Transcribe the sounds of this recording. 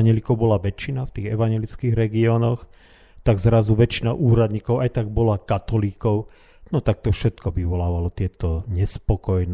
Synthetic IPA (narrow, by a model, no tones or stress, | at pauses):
ɲjɛlikɔʊbɔlaʋɛt͡ʃːinaft̪iːɣɛʋaɲjɛlit͡skiɣɾɛɡiɔːnɔx | t̪aɡzɾazuʋɛt͡ʃinaʔuːɾad̪ɲikɔʊajt̪aɡ̚bɔlakat̪ɔliːkɔʊ | nɔt̪ak̚t̪ɔfʃɛt̪kɔʋiʋɔlaːʋalɔt̪ɪɛt̪ɔɲɛspɔkɔjn